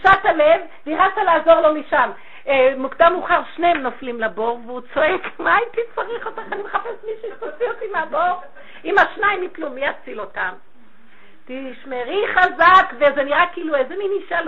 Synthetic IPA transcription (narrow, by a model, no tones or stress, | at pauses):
ʃatalev | niʁat͡salaːzo̞ʁlo̞miʃam | emukd̪amuχaʁʃnemnoflimlabo̞ʁveut͡so̞ekmait̪it͡saʁiχotaχanimeχafesmiʃuosiotimeaboʁ | imaʃnaimiplumiat͡silo̞tam | tiʃmeʁiχazakvezeniʁakiːluezeminiʃal